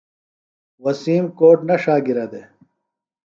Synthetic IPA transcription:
wɐsiːmkoːʈnɐʂaːɡiɾɐd̪e

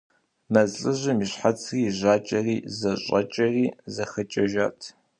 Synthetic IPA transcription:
mɐzɬʼɨʑɐmiɕħat͡sʰriːʑaːt͡ʃʼɐriːzɐɕʼɐ̰t͡ʃʼɐriːzɐxɐt͡ʃʼɐʒaːtʰ

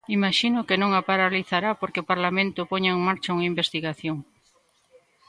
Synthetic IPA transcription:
imaʃinʊkenõŋapaɾaliθaɾapoɾkeopaɾlamẽnt̪ʊpoɲaeŋmaɾt͡ʃauŋaimbest̪iɣaθjoŋ

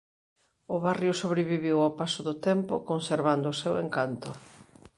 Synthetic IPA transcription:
ʊβarjosoβɾeβiβiwapasʊðʊt̪ɛmpʊ̰konseɾβand̪ʊːseweŋkant̪ʊ

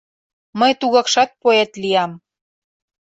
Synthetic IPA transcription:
məjt̪uɣɑkʃɑt̪̚poet̪liɑm

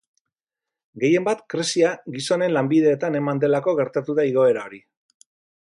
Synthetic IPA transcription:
ɡe̞je̞mbat̪kɾesiaɣiso̞ne̞nlambiðe̞ːt̪ane̞mand̪e̞lako̞ɣe̞ɾt̪at̪uðaiɣo̞e̞ɾao̞ɾi

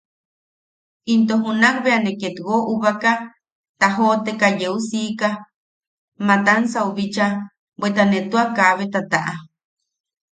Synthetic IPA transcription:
int̪oɦunakβeaneket̪ɣoʔuβaka | t̪aɦot̪ekajeusiːka | mat̪ansauβit͡ʃa | bwet̪anẽt̪uakaβet̪at̪aʔa

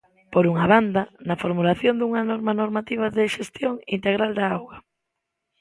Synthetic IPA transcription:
poɾuŋaβand̪anɐfoɾmulaθjond̪uŋanɔɾmanoɾmat̪iβ̞aðɪʃest̪joŋint̪eɣ̞ɾald̪aawɣɐ

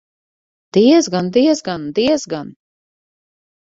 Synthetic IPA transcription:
d̪̥iɛzɡand̪iɛzɡand̪iɛzɡan

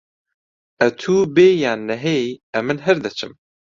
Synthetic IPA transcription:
ɛt̪ʰuːbeːjaːnːɛɦejɛmːɨnɦɨɾd̪ɨt͡ʃʰɨm

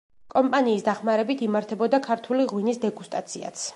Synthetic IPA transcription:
kʼɔmpʼaniːsd̪aχmaɾɛbit̪ʰimaɾt̪ʰɛbɔd̪akʰaɾt̪ʰuliʁwinisd̪ɛɡust̪ʼat̪sʰia̰t̪sʰ

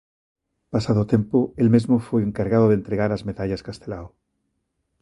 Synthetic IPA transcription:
pasaðot̪empoelmezmofweeŋkaɾɣaðoðent̪ɾeɣaɾazmeðaʎaskast̪elao

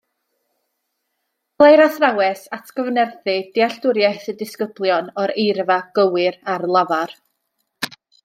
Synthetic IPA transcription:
lˠajɾasrawɛsatʰɡ̥əvnɛrθɨd̥ɪaɬdʊɾjaθədɪskəblˠjɔnɔɾejrvaɡ̥əwɪɾarlˠavar

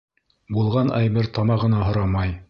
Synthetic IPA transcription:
bulˠʁɑnʔæjmɘɾt̪ɑmɑʁɤ̆nɑɦŏɾɑmɑj

